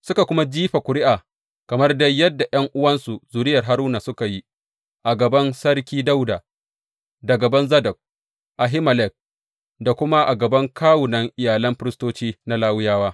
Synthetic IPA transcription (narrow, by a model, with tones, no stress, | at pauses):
sʊ˦ka˨kʷʊ˦ma˦d͡ʒiː˦ɸa˨kʷʊ˨ɾɪ˦ʔaː˨ | kɐ˨mɐ˦rdɐ˦jɐ˦dːa˨jɐ˦ŋʔʊ˦wɐ˦nsu˨zuː˨ɾɪ˦jɐ˨rɦa˦ɾuː˦na˨sʊ˦ka˨ji˦ | ʔa˨ɡɐ˨bɐ˦nsɐ˦rkʲiː˦da˦wda˨ | dɐ˨ɡɐ˨bɐ˦nzɐ˦dɐ˨k̚ | ʔa˨ɦɪ˦mɐ˨lɛ˨k̚ | da˨kʷʊ˦ma˦ʔa˨ɡɐ˨bɐ˦ŋkʰaː˦wʊ˨nɐ˦ŋʔɪ˨jaː˨lɐ˦mɸɪ˦ɾɪ˦stoː˦t͡ʃiː˦na˦laː˦wʊ˦jaː˦waː˦